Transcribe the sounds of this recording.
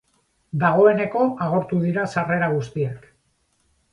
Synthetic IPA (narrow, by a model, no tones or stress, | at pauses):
d̪aɣ̞o̞e̞ne̞ko̞ʔaɣ̞o̞ɾt̪uðiɾasare̞ɾaɣ̞ust̪iek